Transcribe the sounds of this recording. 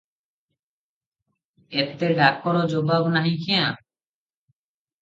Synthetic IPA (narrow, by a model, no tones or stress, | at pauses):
et̪eɖakːɔɽɔd͡ʒobabnaɦĩkʰɛjã